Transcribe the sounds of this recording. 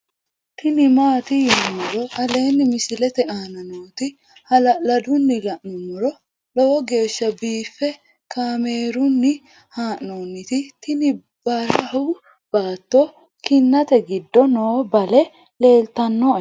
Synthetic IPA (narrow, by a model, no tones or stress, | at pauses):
t̪ɪnɪmaːt̪ɪjmːɔɾɔhɐle̞ːnːɪmɪsɪlɛt̪ɛaːnɐnoːt̪ɪ | hɐlɐlɐd̪ʊnːɪlɐʔnʊmɔɾɔ | lɔwɔɡe̞ːʃːɐbiːfːɛ | kʰaːme̞ːɾʊnːɪ | haːʔnoːnːɪt̪ɪt̪ɪnɪ | b̥ɐɾɐhɐw | b̥aːt̪ːoː | kɪnːɐt̪ɛɡɪd̪ːɔnoːbɐlɛ | le̞ːlt̪ɐnːo